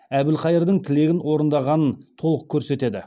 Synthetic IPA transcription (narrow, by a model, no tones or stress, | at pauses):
æbɪlqʰɑjəɾd̪əɴt̪ʰɪle̞ɡʲɪnwo̞ɾənd̪ɑʁɑnənt̪ʰo̞lˠəq̚kʲʰɵɾse̞t̪e̞d̪ɪ